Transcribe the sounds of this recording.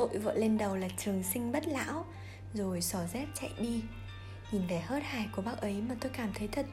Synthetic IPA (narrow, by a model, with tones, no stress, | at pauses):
o̰˧˨jvə̰ː˧˨le˧nɗə˨˩wlaː˨˩t͡ɕɨ˨˩əŋsï˧ŋ̟ɓə˦˥t̚la̰ː˧˥w | zo˨˩jsɔ˧˩zɛ˦˥p̚t͡ɕa̰˧˨jɗi˧ | ɲi˨˩nvɛ˨˩həː˦˥t̚haː˨˩jku˧˩əɓaː˦˥k̚ʔə˨˦jmaː˨˩t̪o˧jkaː˧˩mt̪ʰə˨˦jt̪ʰə˨˩t̚